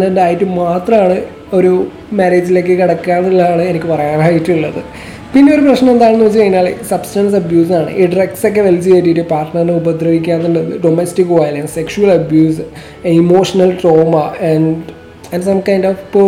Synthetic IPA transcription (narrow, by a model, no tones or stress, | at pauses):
nendaːjitːɨmaːt̪rɐmaːɳɨ | o̞ɾu | mɐɾeːd͡ʑile̞ːkːɨkiɽɐkːaːnilːɐaːɳɨenikʲːɨpɐrɐjaːnaːjitːuɭːɐðɨ | pinːeoɾuprɐɕnɐme̞nd̪aːɳenːɨʋet͡ɕːɨkɐjinːaːɭḛsɐbstɐns̬ɐbjuːs̬aːɳɨ̰ʔiɖrekso̞k̬ːeʋelt͡ɕːiejtːitːɨpaːrʈnɐrnɨubɐd̪ɾɐʋikʲːaːnd̪enɖenːɨɖomestikːʋaːjlɐnsekʂuɐɭɐbjuːs | imo̞ːʂɐnɐlʈro̞ːmɐɐɳɖ | ɐnsɐmkajndofp